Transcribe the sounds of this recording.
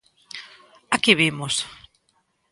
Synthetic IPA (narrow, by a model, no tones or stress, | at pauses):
akiβimos